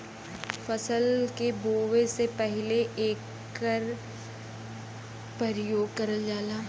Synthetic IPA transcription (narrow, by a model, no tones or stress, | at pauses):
fɐsəlkeboːʋesepɛɦleʔeːkː | əɾ | pɾɐɾjoːɡ̚kɐɾəld͡ʒaːlaː